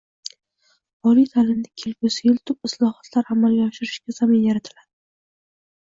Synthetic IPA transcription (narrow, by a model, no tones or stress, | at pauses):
ɒlijt̪ʰalɪnd̪ɪkʲʰelkʊsɪjɪlt̪ʰʊpɪslˠɒhat̪ʰlaɾamalɡʲaɒʃɪɾɪʃkʲazamɪnjaɾat̪ʰɪlad̪ɪ